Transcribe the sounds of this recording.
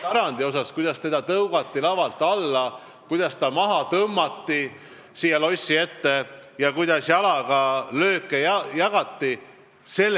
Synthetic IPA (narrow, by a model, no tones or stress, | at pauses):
ɑɾɑnd̪̥io̞sɑskujd̪̥ɑst̪e̞d̪̥ɑt̪ɤwɡ̥ɑt̪ːilɑvɑlt̪ːˑɑlːɑ | kujd̪̥ɑst̪ɑmɑɦɑt̪ɤmːɑt̪ːi | siːjɑlo̞sʲːie̞t̪ːe̞jɑkujd̪̥ɑsjɑlɑɡ̥ɑlø̞ːkːˑejjɑɡ̥ɑt̪ːi | se̞lː